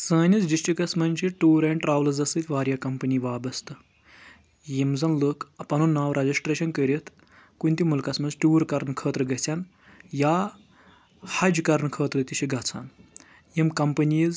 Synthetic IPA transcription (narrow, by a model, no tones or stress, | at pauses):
sɐːnʲizɖisʈikɐsmɐnʲt͡ʃiʈuːɾɐɳʈɾaːʋlɐzɐsɨt̪ʰʲʋaːɾʲjaːkɐmpɐnʲiʋaːbɐst̪ɨ | jimzɐnləkʰɐpɐnunːaːwɾɐd͡ʒisʈɾeːʃɐnkəɾʲit̪ʰ | kunʲt̪ʲimulkɐsmɐnzʈʲuːɾkɐɾnkʰəːt̪ɾɨɡɐt͡sʰʲan | jaː | hɐd͡ʒkɐɾnkʰɐːt̪ɾɨt̪ʲiʃʰiɡɐt͡sʰa̰ːn | jimkɐmpɐniːz